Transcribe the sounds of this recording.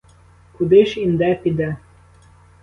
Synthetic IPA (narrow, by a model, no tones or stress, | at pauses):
kud̪eʃind̪æpid̪æ